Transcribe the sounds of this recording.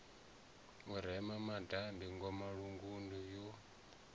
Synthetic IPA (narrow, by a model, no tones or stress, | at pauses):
uɾɛmamadambiŋɡɔmaɺuŋɡundujɔ